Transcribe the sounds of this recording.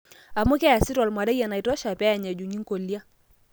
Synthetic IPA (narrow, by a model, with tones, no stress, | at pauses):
a˨mʊ˦kɛ˦ja˨sɪ˦tɔ˨lma˨dɛ˦ja˨na˨ɪ˨tɔ˦ʃa˨pɛ˦a˨ɲa˨d͡ʒu˨ŋi˦ŋko˨lja˦